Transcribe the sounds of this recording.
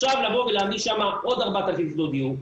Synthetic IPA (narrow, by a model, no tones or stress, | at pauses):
ʃavlavoveleamiʃamao̞d̪aʁbat̪alkislod̪iu